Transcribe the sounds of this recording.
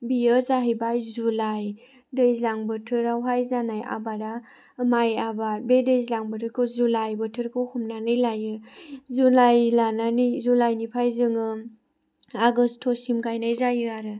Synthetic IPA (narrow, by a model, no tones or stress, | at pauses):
biɯzaɦɯjbajzulaj | dɯjzlaŋbɯtʰɯɾawɦajzanajʔa̰baɾa | majabaɾbedɯjzlaŋbɯtʰɯɾkʰɯzulajbɯtʰɯɾkʰɯwhʰumnanɯjlajɯzulajlananɯjzulajnipʰajzɯŋɯ | aɡɯstʰɔsimkajnajzajɯaɾɯ